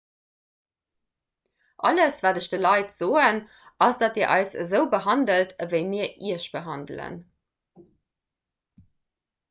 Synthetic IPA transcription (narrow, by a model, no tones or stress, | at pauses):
ʔɑ̰ləsvaːdəʃd̥əlɑɪtz̥oːən | ɑsd̥ɑtiːɐʔɑ̰ɪsəzəʊbəɦɑndəltʰəvəɪmiːɐʔiɐʃb̥əɦɑndlə̰n